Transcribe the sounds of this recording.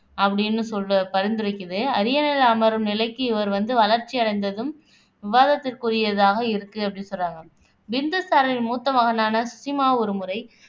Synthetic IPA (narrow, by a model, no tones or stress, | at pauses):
ɐpːɐɽɪnːɯsɔlːɯpɐɾɪnd̪ɯɾɪkːɐðɯɐɾɪjɐnɪlaːmɐɾɯmnɪlɐɪkːɯɪʋɐɾʋɐnd̪ɯʋɐlɐɾt͡ʃiɪɐɽɐɪnd̪ɐðɯm | ʋɪʋaːðɐt̪ːɪrkurɪjɐðaːɣɐɪɾɯkːɯɐpːɐɽɪnsɔlːaːŋɡɐ | bɪnd̪ɐsaːɾɐlɪlmuːt̪ːɐʋɐɣɐnaːnɐsʊsɪmaːɔɾɯmɯɾɐɪ